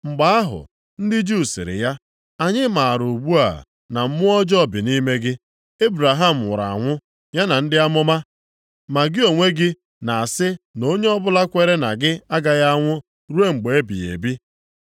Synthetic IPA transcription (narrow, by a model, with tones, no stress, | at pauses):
ŋ͡m̩˨ɡ͡ba˨˦a˦ɦʊ̰˨ | n̩˦dɪ˦d͡ʒu˦˨sɪ̰˨ɾɪ̰˨ja˦ | a˨ɲɪ˦ma˨a˨ɾu˨ɡ͡bu˦a̰˨ | na˨m̩˦mʊ˦ɔ˦d͡ʒɔ˦˨bɪ˨ni˦me˦ɡɪ˦ | e˦bɾa˨ɦa˦˨m̩˨wʊ̰˨ɾa̰˨a̰˨ŋʷʊ˦ | ja˦na˨n̩˦dɪ˦a˦mʊ˦ma˦ | ma˨ɡɪ˦o˨ŋʷe˦ɡɪ˦ | na˨a˨sɪ˦no˦ɲe˦ɔ˦bʊ˦la˦kʷe˨ɾe˦na˨ɡɪ˦a˦ɡa˨ja˦ŋʷʊ˦ | ɾu˦e˦ŋ͡m̩˨ɡ͡be˨e˦bḭ˨ḛ˨bi˦